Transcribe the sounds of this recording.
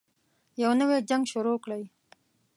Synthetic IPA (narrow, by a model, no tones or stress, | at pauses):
jawnəwed͡ʒaŋɡʃʊɾokɽaj